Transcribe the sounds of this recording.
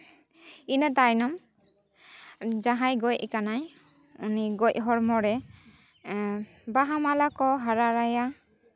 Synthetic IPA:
inat̪ajnɔm | d͡ʒaɦajɡɔjɛkanaj | uniɡɔjɦɔɾmɔɾɛ | baɦamalakɔɦaɾaɾaja

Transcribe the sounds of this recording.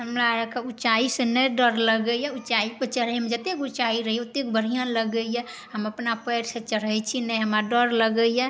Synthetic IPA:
ɦəmɾaɾkeut͡ʃaisənɛɖəɾləɡəjɛut͡ʃaipət͡ʃəɽ̤əjmed͡ʒət̪ekut͡ʃaiɾəɦijot̪ek̚bəɽ̤ijãləɡəjɛ | ɦəməpnapəjɾset͡ʃəɽ̤əjt͡ʃʰinɛɦəmaɖəɾləɡəjɛ

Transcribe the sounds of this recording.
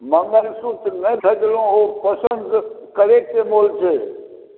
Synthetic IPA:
mə̃məɾsut̪nəbʰʱəd͡ʒlõɦopəsənd̪kəɾek̚t̪emoːlt͡ʃʰe

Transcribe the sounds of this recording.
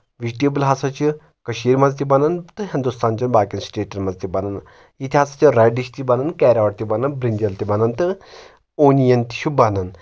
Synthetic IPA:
ʋizʈeːbɨlɦɐsɐt͡ʃi | kɐʃiːɾmɐzt̪ibɐnɐnt̪ɨɦind̪ust̪aːnt͡ʃɐnbaːkʲinsʈeːʈɐnmɐzt̪ibɐnɐn | jit̪ʰiɦɐsat͡ʃiɾɛːɖiʃt̪ibɐnɐnkɛːɾaːʋʈt̪ibɐnɐnbɾind͡ʒɐlt̪ibɐnɐnt̪ɨ | oːnijɐnt̪i̥ʃubɐnɐn

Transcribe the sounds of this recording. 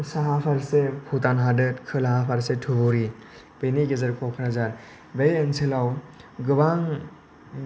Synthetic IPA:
saɦapʰaɾsepʰutanɦadɯtkʰɯlaɦapʰaɾsetʰuboɾi | b̥ejniɡezɐɾkʰɔkʰɯnazaɾ | bejɯnsʰilawɡɯbaŋ

